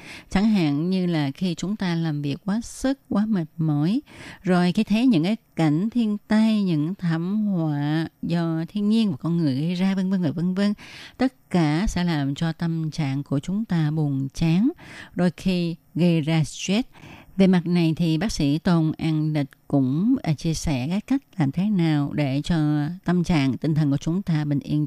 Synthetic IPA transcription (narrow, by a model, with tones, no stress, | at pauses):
t͡ɕa˧˩ŋɦa̰ː˧˨ŋɲɨ˧laː˨˩xi˧t͡ɕʊ˨˦ŋ͡mt̪aː˧laː˨˩mvi˨˩ək̚ːwaː˨˦sɨ˦˥k̚kwaː˨˦mə˨˩t̚məː˨˦jzo˨˩jxi˧t̪ʰe˨˦ɲɨ̰˧˥ŋkaː˨˦jka˧˩jŋ̟t̪ʰi˧ənt̪a˧jɲɨ̰˧˥ŋt̪ʰa˧˩mhwaː˧˨zɔ˧t̪ʰi˧ənɲi˧ənvaː˨˩kɔ˧nŋɨ˨˩əjɣə˧jzaː˧və˧nvə˧nvəː˨˩və˧nvə˧nt̪ə˦˥t̚kaː˧˩sɛ̰˧˥laː˨˩mt͡ɕɔ˧t̪ə˧mt͡ɕa̰ː˧˨ŋku˧˩ət͡ɕʊ˨˦ŋ͡mt̪aː˧ɓʊ˨˩əŋt͡ɕaː˨˦ŋɗo˧jxi˧ɣə˧jzaː˧wɛ˦˥t̚ve˨˩ma˨˩t̚na˨˩jt̪ʰi˨˩ɓaː˦˥k̚sḭ˧˥t̪o˧˩nʔaː˧ŋli˨˩k̚kʊ̰˧˥ŋ͡mt͡ɕi˧əsɛ̰˧˩kaː˦˥kːa˦˥jk̚laː˨˩mt̪ʰe˨˦naː˨˩wɗe˧˩t͡ɕɔ˧t̪ə˧mt͡ɕa̰ː˧˨ŋt̪ï˨˩ŋ̟t̪ʰə˨˩nku˧˩˦t͡ɕʊ˨˦ŋ͡mt̪aː˧ɓï˨˩ŋ̟ʔḭ˧ən